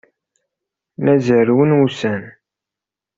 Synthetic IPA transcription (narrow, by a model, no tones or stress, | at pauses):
mæzəɾwənwusæn